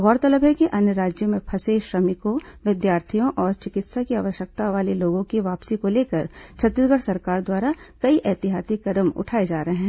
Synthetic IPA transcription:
ɣɔːɾt̪ɐləbɦɛkiʔɐnjəɾaːd͡ʒjəmẽpʰɐseːʃɾɐmɪkõʋɪd̪jaːɾt̪ʰijõʔɔːɾt͡ʃɪkɪt̪sakiaːʋəʃjək̚t̪aʋaːleloːɡõkiʋaːpsikoleːkəɾt͡ʃʰɐt̪ːɪsɡəɽsɐɾkaːɾd̪waːɾakɐiʔɛːt̪ɪɦaːsikɐd̪əmʊ̰ʈʰaːed͡ʒaːɾɐɦeɛ̃

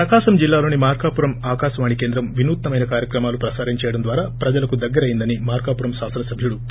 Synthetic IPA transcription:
pɾɐkaːʃɐmd͡ʒilːaːlo̞ːnimaːɾkaːpuɾɐmaːkaːʃɐʋaːɳikeːnd̪ɾɐmʋinuːt̪nɐmɐjnɐkaːɾjɐkɾɐmaːlupɾɐsaːɾiɲt͡ʃɛːjɐɽɐnd̪ʋaːɾaːpɾɐd͡ʒɐlɐkud̪ɐɡːɐɾɐjind̪ɐnimaːɾkaːpuːɾɐmʃaːsɐnɐsɐbʱjuɽu

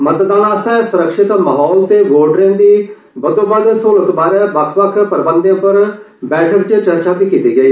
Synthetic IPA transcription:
mət̪əd̪aːnãːəsɛ̃ːsʊɾəkʃɪt̪məɦɔːlt̪eːʋoːʈɾẽːnd̪iː | bəd̪õːbəd̪soːlət̪baːɾɛːʋəkʰʋəkʰpəɾɪbənd̪jãpəɾ | bɛːʈʰəkt͡ʃt͡ʃəɾt͡ʃaːp̪iːkiːt̪iːɡəiː

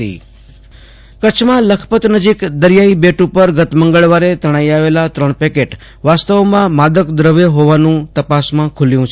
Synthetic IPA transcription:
ḭ | kət͡ʃʰmãləkʰpət̪nəd͡ʒikd̪əɾjaibeʈupəɾɡət̪məŋɡəɭʋaɾet̪əɽ̃aiaʋelat̪ɾəɳpekeʈ | ʋast̪əʋomãmad̪əkd̪ɾəʋeɦoʋanũt̪əpasmãkʰuljũt͡ʃʰ

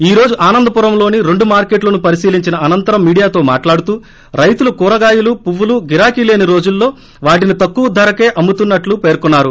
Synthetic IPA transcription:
iːɾo̞ːd͡ʒuʔaːnɐnd̪ɐpuːɾɐmlo̞ːniɾe̞ɳɖumaːɾke̞ːʈlɐnupɐɾisiːliɲt͡ʃinɐʔɐnɐnt̪ɐɾɐmːiːɽijaːt̪o̞ːmaːʈlaːɽut̪uː | ɾɐjt̪ulukuːɾɐɡaːjulupuʋːuluɡiɾaːkileːniɾo̞ːd͡ʒulːo̞ː | ʋaːʈ̬init̪ɐkːuʋud̪ːɐɾɐke̞ːʔɐmːut̪unːɐʈlupe̞ːɾkunːaːɾu

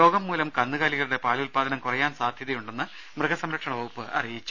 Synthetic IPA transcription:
o̞ːɡɐmːuːlɐmkɐnːɨɣaːliɣɐɭuɽe̞paːluːlpaːd̪ɐnɐmkurɐjaːnsaːd̪ʱjɐðɐjuɳɖe̞nːɨ | mrɨɡɐsɐmɾɐkʂɐɳɐʋoːupːɨʔɐ̰rijit͡ɕːu

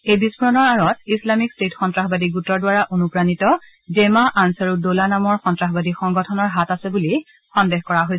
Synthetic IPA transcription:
ejbispuɹɔnɔɹaɹɔt̚islamikstetxɔntɹaxbadiɡutɔɹdwaɹaʔonupɹanitɔ | zemaʔansaɹudolanamɔɹxɔntɹaxbadixɔŋɡɔtʰɔnɔɹɦatasɛbuli | xɔndɛxkɔɹaɦojs

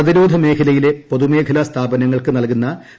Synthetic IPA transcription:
ɐðiɾo̞ːd̪ʱɐme̞ːkʰɐlɐjile̞po̞ðumeːkʰɐlast̪ʰaːbɐnɐŋːɐɭkɨnɐlkunːɐ

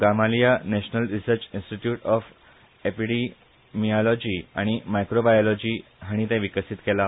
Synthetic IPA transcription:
ɡamalijaneɕnəlɾisəɾt͡ɕinsʈiʈjuːʈɔf | epiɽi | miɔlɔd͡ʑiːa̰ɽ̃imajkɾobajɔlɔd͡ʑiːɦaɽ̃it̪ɛ̃ʋikəsit̪kela

